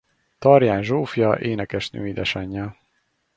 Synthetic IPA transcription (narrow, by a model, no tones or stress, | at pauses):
t̪ɒrjaːnʒoːfjɒʔeːnɛkɛʃnø̰ːid̪ɛʃɒɲːɒ